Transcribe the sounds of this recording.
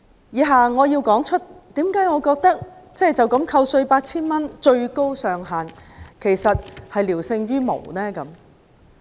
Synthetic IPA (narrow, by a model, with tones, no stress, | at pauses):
jiː˨˧ɦaː˨ŋɔː˨˧jiː˧wkɔː˨˥ŋt͡ʃʰɵ˥t̚t̪iː˨˥mkaː˨˥jŋɔː˨˧kɔː˧k̚t̪ɐ˥k̚t͡sɛː˥˩t͡sɐ˨wkɐ˨˥mkʰɐ˧wsɵ˧ɥpaː˧t̚t͡sʰiː˥nmɐ˥nt͡ʃɵ˧ɥko˥wsœː˨˧ŋɦaː˨nkʰe˨˩jsɐ˨t̚hɐ˨jliː˨˩wsɪ˧ŋɥyː˥mo̰˨˩wnɛː˥kɐ˨˦m